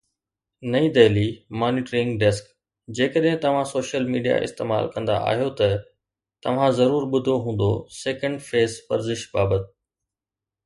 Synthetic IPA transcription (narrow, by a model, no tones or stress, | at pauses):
nɐĩd̪eːlimaːnɪːʈɾɪ̃ŋɡɖɛsk | d͡ʑeːkəɗɦɪ̃t̪ɐʋ̤ãsoːʃəlmiːɖija̰ʔɪ̰st̪eːma̰ːlkɐ̃nd̪a̰ʔa̰ːɦijot̪ɐ | t̪ɐʋ̤ãzɐɾuːɾɓʊd̪ʱoɦũːn̆d̪o̰sɛːkə̃ɳɖfeːspɐɾzɪʃbaːbət̪ɪ̥